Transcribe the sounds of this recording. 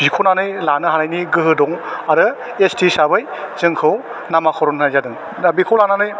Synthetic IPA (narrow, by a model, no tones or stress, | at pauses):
zikʰɔnanɯjlanɯɦaɾajniɡɯɦɯdɔŋaɾɯ | estisabɯjz̥ɯŋkʰɯw | namakʰɔɾɔnʰajzadɯŋ | nabikʰɯwlananɯj